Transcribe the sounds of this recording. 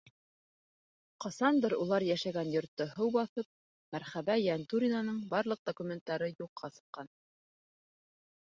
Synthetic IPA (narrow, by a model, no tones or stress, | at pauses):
qɑsɑnd̪ɤɾulˠɑɾjæʃæɡænjŏɾt̪ːɤhɤwbɑθɤp̚ | mæɾχæβæjænt̪uɾʲinanɤɴbɑɾlˠɤq̚d̪̥okumʲent̪ːɑɾɤjuqʰːɑsɤ̥̆qːɑn